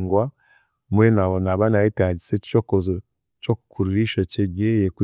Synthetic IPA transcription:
ŋɡwa | mwenaonaβanajitaɟiseu̥t͡ʃokozo | t͡ʃokukʰuɾuɾiʃat͡ʃeɡejeku

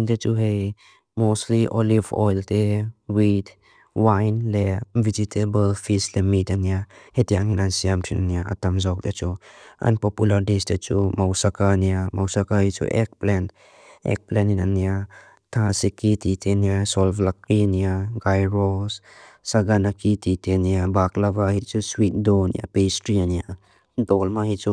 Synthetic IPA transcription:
ntet͡ʃuɦej | mosliʔɔlivɔ̰jltewid | wajnlevid͡ʒitʰebəlfislemitaniahetiaŋnansiamtʰina̰niaʔa̰tamzawk̚det͡ʃua̰npɔpulaɾdestet͡ʃṵmawsakaniamawsakahit͡ʃṵʔḛk̚plɛnt | ḛk̚pleninanija | tʰasikititʰenijasɔlflakːinijaɡajɾɔs | saɡanakitʰitʰenijabaklabahit͡ʃuswit̚dɔnḭja̰pestɾianija | dɔlmahit͡ʃu

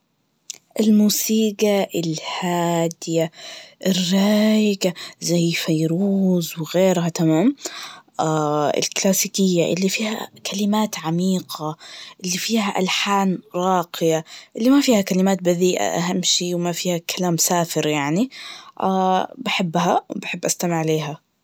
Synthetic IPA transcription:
ʔɪlmuːsiːɡaʔɪlhaːd̪ɪjaʔɪrːɑːjɪɡazajfajɾuːzwɪɣeːɾɦat̪amaːmʔaɪ̰lklaːsiːkɪjːaʔɪ̰lːifiːha̰kʰalɪmaːt̪ʕamiːqʰaʔɪlːifiːhaʔa̰lħaːnɾˤɑːqɪjaʔɪlːimafiːhakalɪmaːt̪̚baðiːʔa̰ʔaɦamːʃiːwmafiːhakʰalaːmsaːfɪɾjaʕniʔaːbaħɪbːɦawbaħɪbːʔast̪amɪʕleːɦa

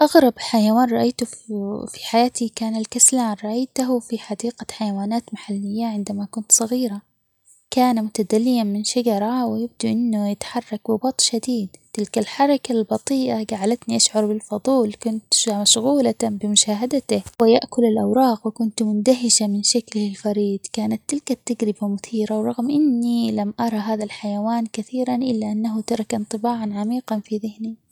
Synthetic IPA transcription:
ʔaɣɾˤɑbħajawaːnɾˤɑʔajt̪ʊfi̥ħajaːt̪ikaːnalkaslaːnɾˤɑʔajt̪aɦʊfiħad̪iːqaħajawaːnaːt̪maħalːɪjːaʕɪnd̪amakʊnt̪sˤɑɣiːɾa | kaːnamʊt̪ad̪alːɪjanmɪnʃad͡ʒɑɾˤɑwɪjɪb̚d̪uʔɪnːʊjɪt̪ħɑrˤːɑk̚bɪbɑt̪ˤʃad̪iːd̪t̪ɪlkalħɑɾˤɑkalbɑt̪ˤiːʔaɡaʕlat̪niʔaʃʕʊɾbɪlfɑðˤuːlkʊnt̪maʃɣuːlabɪmʊʃaːɦad̪at̪ɪhwɪjaʔkʊlɪlʔawɾˤɑːɣwɪkʊnt̪mʊnd̪aɦɪʃamɪnʃaklhɪlfɑɾiːd̪̥ˤkaːnat̪ːɪlkat̪ːaɡɾɪbamʊθiːɾawɾˤɑɣmʔɪnːilamʔɑɾˤɑɦaːðalħajawaːnkaθiːɾanʔɪlːaʔanːaɦʊt̪ɑɾˤɑkʔɪnt̪ˤɨbaːʕanʕamiːqɑnfiðɪhni

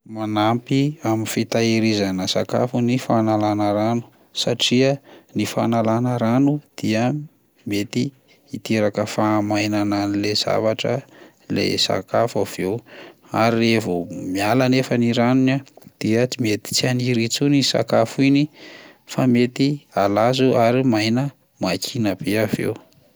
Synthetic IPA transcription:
manampiaminfit̪aiɾizanəsa̰ka̰funifanalanəɾanu̥ | saʈ͡ʂiənifa̰nalanəɾanud̪̥iə | met̪iː | t̪eɾakəfamajnananilez̥a̰vaʈ͡ʂə̰ | lḛsa̰kafav̥ew | aɾilevomialanefəniɾanunad̪̥iət͡simet̪i̥t͡sianiɾit͡sunisa̰kafuinifamet̪ialazuʔaɾimajnə | makʰinəb̥eavḛw

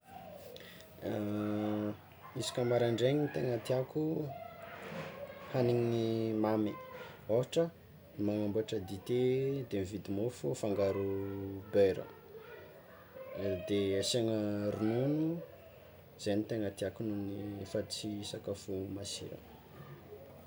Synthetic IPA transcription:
isi̥kʲəmaɾaɳɖ͡ʐeŋinit̪eŋət̪iaku | haniŋinimamioɦaʈ͡ʂə | maŋambuaʈ͡ʂəd̪it̪ed̪emivid̪imofufaŋɡaɾubeɾə̰ | d̪easeŋəɾununu | z̥enit̪eŋət̪iakununifat͡sisakəfumasḭɾə̰

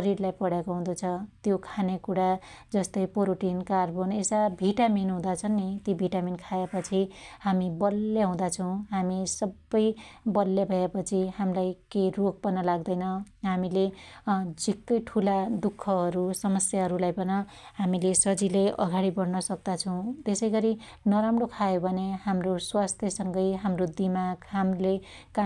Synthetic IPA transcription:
ʌɾiɾlajpʌɽakoɦũd̪ut͡sʰʌt̪jokʰanekuɽa | d͡zʌst̪ʌjpoɾoʈinkarbonesabʱiʈaminɦũd̪at͡sʰʌnit̪jobʱiʈaminkʰaepʌt͡sʰihamibʌlːeɦũd̪at͡sʰʌw̃ɦamisʌbːʌjbʌlːjabʱʌepʌt͡sʰiɦamlajkejrok̚pʌnːʌlaɡd̪ʌjnʌɦamile | d͡zikːʌjʈʰulad̪ukʰːʌɦʌɾusʌmʌsjaɦʌɾulajbʌnʌ | hamilesʌd͡zileʔʌɡaɽibʌɽnʌsʌk̚d̪at͡sʰʌ̃w̃t̪esʌjɡʌɾi | nʌɾamɽokʰajobʱʌneɦamroswast̪ʰjesʌŋɡʌjɦamrod̪imaɡɦamleka

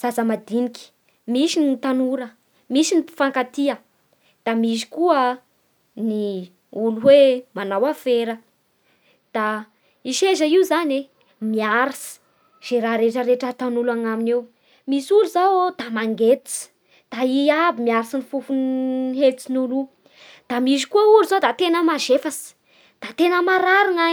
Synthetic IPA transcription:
z̥azəmad̪inikʲi̥ | misinit̪anuɾə | misinifaŋkat̪iə | d̪̥amis̬i̥kuə | ni | uluɦwemanawafeɾə | d̪̥a | iʃezəizane | miaɾasi̥ | z̥eɾaɾeʈ͡ʂəɾeʈ͡ʂət̪anulaŋaminew | misuluzawd̪̥amaŋɡet̪it͡si̥ | d̪̥aiabimiaɾisinifufunelt͡sinulu | d̪̥amizikuəuɾizod̪at̪enəmaʒefasi̥ | d̪̥at̪enəmaɾaɾaŋa

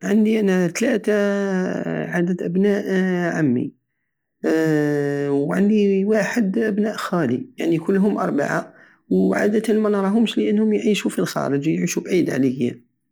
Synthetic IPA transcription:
ʕənd̪iʔænæt̪læt̪a | ʕad̪əd̪ʔəbnæʔʕamːḭ | wʕənd̪iwaħəd̪ʔæbnæʔxælijaʕnikʊlːɦʊmʔɑ̰ɾˤba̰ʕa | wʕa̰d̪ət̪əlmænɑɾˤɑɦʊmʃləʔənːhʊmjʕiʃufilxɑ̰ɾəd͡ʒjʕiʃubʕid̪ʕlihjːæ̰

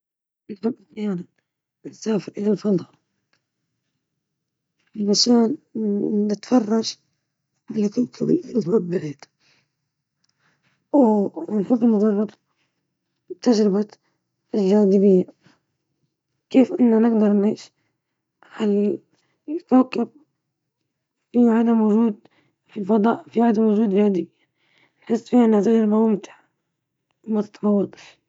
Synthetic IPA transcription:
nħɪbːalxjaːna | nsaːfɪɾʔɪlalfɨd̪ˤɑ | ɪmaʃaːnː | ɪt̪fɑrˤːɑʃ | bɪlakʊlkʰabɪɪlhaːbbaʕiːd̪̥ | wnħɪbːɪlmʊðˤɑrˤːɑɾ | t̪ad͡ʒɾɪba | ʔɪlʒaːd̪ɪbɪjːa | keːfʔɪnːanɪɡd̪ɑɾˤnʕiːʃ | hal | ɪt̪awakːab̚ | fiʕad̪amwʊʒuːd̪ | filfɑd̪ˤɑ̰ːʔfiʕad̪amwʊʒuːd̪aːd̪ɪbɪjːa | nħɪsːfiːhanːɪʕt̪aʒɾbawmɪt̪ḁ | mat̪ɪ̥t̪nɑwːɑd̪ˤ

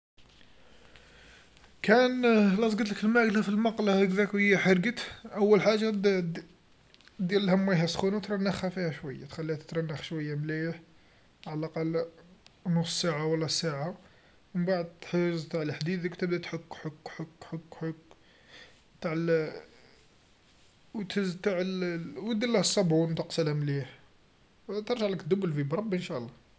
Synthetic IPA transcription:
kænlɑs̬ˤɡət̪ləkəlmæɡlæfilmɑqlɑkðækwəjːæħəɾɡət̪ʔəwːəlħaʒːa | d̪jælːhæmːæjɦæsxunat̪ɾˤɑnːæxhæfihæʃwəjːat̪xælːihæt̪ət̪ɾˤɑnːəxʃwəjːamliħ | ʕalʔɑqɑl | nʊssaʕawəlːæsaʕa | mənbaʕd̪̚t̪ħəzt̪aʕəlħd̪id̪kt̪əbd̪æt̪ħəkːħokːħokːħəkːħok | t̪aʕl | wt̪həzt̪aʕəlwəd̪əlːæhəsˤːɑbunwt̪əqsəlhæmliħ | t̪əɾˤʒaʕləkd̪ʊbːlfibɾˤɑbʔənʃæʔlˤːɑ

